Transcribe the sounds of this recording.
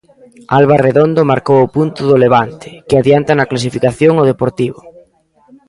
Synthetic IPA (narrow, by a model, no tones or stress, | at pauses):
alβareðond̪ʊmaɾkowʊpunt̪ʊðʊleβant̪ɪ̥kɪaðjant̪anɐklas̬ifikaθjoŋʊðepoɾt̪iβʊ